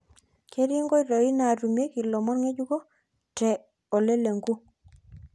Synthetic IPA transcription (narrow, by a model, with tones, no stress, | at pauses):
ke˦ɾi˦ŋɡɔ˦i˦ɾo˨i˦na˨ɾu˨me˦ki˨lɔ˨mɔ˦nŋɛ˦d͡ʒu˦ɡo˦ | tɛ˨ | ɔ˨le˦le˨ŋɡu˦